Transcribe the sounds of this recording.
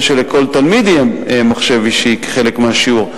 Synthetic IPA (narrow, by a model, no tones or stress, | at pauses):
ʃelekʰo̞lt̪almid̪jememaχʃeviʃike̥χe̞lekmeaʃiuʁ